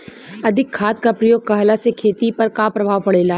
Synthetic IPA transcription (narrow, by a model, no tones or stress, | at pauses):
ɐd̪ʱɪkʰːaːt̪̚kapɾɐjoːɡ̚kɐɦlasekʰeːt̪ipɐɾkapɾɐbʱaːʋpɐɽeːlaː